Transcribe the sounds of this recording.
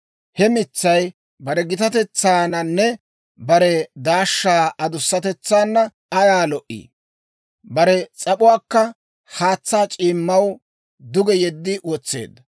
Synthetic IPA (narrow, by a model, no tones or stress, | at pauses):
hɛmɪt͡sːɐj | bɐɾɛɡɪt̪ɐt̪ɛt͡sːaːnɐnːɛ | bɐɾɛd̪aːʃːaːʔɐd̪ʊsːɐt̪ɛt͡sːaːnːɐ | ɐjaːlɔʔḭː | bɐɾɛt͡sʼɐpʊwaːkːɐ | haːt͡sːaːt͡ʃʼiːmːɐw | d̪ʊɡɛjɛd̪ːɪwɔt͡sːḛːd̪ːɐ